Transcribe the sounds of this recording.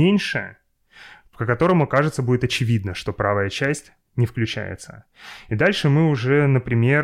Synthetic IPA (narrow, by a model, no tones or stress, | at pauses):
enʲʂɨ | pkəkɐt̪o̞ɾəmʊkaʐɨt̪səbudʲɪt̪ɐt͡ɕɪvʲid̪nəʂt̪o̞pɾavəjət͡ɕæsʲtʲ | nʲɪfklʲʉt͡ɕæ̰jɪ̰t̪sə | id̪alʲʂɨmɨʊʐɛnəpɾʲɪmʲe̞